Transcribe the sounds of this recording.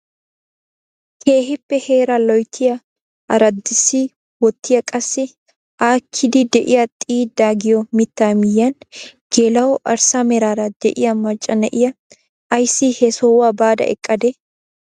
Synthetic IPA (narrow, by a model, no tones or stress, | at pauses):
kʰeːhɪpːɛhe̞ːɾɐlɔjt̪ʰːɪjɐ | ʔɐɾɐd̪ːɪsiː | wɔt̪ːɪjɐkʼɐsːɪ | ʔaːkʰːɪd̪id̪ɛʔɪjɐt̪ʼiːd̪aːɡɪjɔmɪt̪ːaːmɪjːɐnɡ̥eːlɐwɔʔɐɾsamɛɾaːɾɐd̪̥ɛʔɪjɐmɐt͡ʃʼːɐnɛʔɪjɐ | ɐjsiːhɛsɔwaːbaːd̪ɐ̰ʔɛ̰kʼːɐd̪ɛ